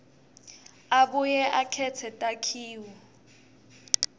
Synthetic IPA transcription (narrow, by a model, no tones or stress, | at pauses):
aɓujɛʔakʰɛt͡sʰɛtʼakʰiːwɔ